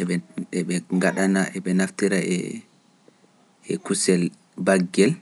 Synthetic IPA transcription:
ɛɓɛɛɓɛŋɡaɗanaʔɛɓɛnaftiɾaɛ̰ | ɛkusɛl | baɡːɛl

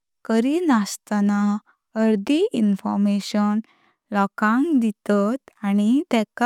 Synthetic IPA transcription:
kəɾinast̪ana | əɾd̪iʔinfɔ̰ɾmeɕən | lɔkãŋkd̪it̪at̪añit̪ɛka

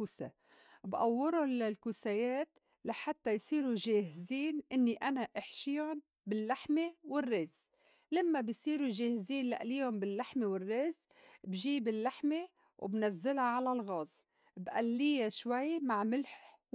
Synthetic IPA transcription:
uːsa̰ | bʔawːɪɾʊnlalkusajeːt̪ | laħat̪ːajsˤiːɾuʒeːhɪziːnʔɪnːiʔanaʔɪħʃiːʊn | bɪlːaħmewɪrːeːz | lamːabɪjsˤiːɾuʒeːhziːnla̰ʔliːhʊmbɪlːaħmewɪrːeːzbʒiːbɪlːaħme | w̰bnazːɪlaʕalalɣɑːzˤ | bʔa̰lːijaʃwajmaʕmɪlħ

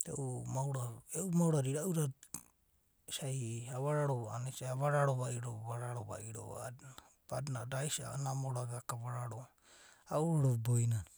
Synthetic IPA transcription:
ḛʔumawɾaeʔumawɾaɾiɾauɾa | sajaβaɾaɾoβaanasaaβaɾaɾoβaiɾoβaɾaɾoβa̰ʔiɾo̰ana | b̥adnaɾajsa̰onamoɾaɡakaβaɾaɾo | auoɾobojnan

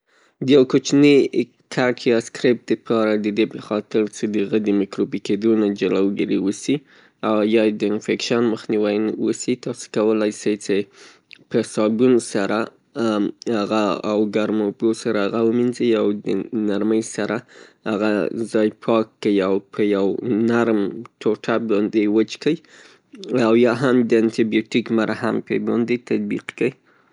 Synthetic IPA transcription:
d̪əjawkot͡ʃni | kʰakʰjaskɾɪp̚d̪əpʰɑɾad̪əd̪epəxɑt̪ɪɾt͡sed̪əɣəd̪əmɪkɾobiked̪onad͡ʒalawɡəɾiwəsi | awjɑd̪əɪnfekʃanməxniwajnwəsit̪ɑso̥kawəlajsajt͡se | pəsɑɡunsaɾa | haɣaawɡaɾmobosaɾaaɣawəminzəjawd̪ənaɾməjsaɾahaɣazɑjpʰɑkːəiawpʰəjawnaɾmʈʰoʈʰabɑnd̪ewət͡ʃkə | awjɑɦamd̪əant̪ibijotikmaɾʔahampə̰bɑ̰nd̪et̪ad̪̚bḭqkəji

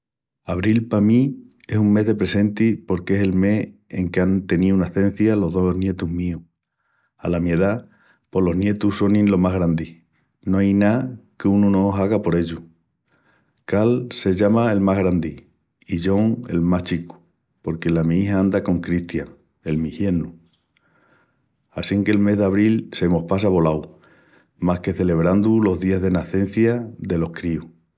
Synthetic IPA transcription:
aβɾilpami | e̞suŋme̞ɦðe̞pɾe̞se̞nt̪ipo̞ɾkese̞lme̞he̞̰ŋkeant̪e̞niunaθe̞n̟θjalo̞ɦðo̞nje̞t̪uɦmiu | a̰lamjeða | po̞lo̞ɦnje̞t̪uso̞nĩnlo̞maɦɣɾand̪i | noajnakeununo̞saɣapo̞ɾe̞ʎu | kalse̞ʎamae̞lmaɦɣɾand̪i | iʎo̞ŋe̞̰lmaht͡ʃiku̥ | po̞ɾke̞lamĩiɦaãnd̪ako̞ŋkɾiht̪jaŋ | e̞lmihje̞nu | asiŋke̞ːlme̞ɦðaβ̞ɾilse̞mo̞hpas̬aβo̞law | mahke̞θe̞leβ̞ɾand̪ulo̞ɦðiazðe̞naθe̞n̟θjaðe̞lo̞hkɾiu

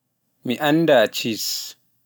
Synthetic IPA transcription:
miʔandat͡ʃis

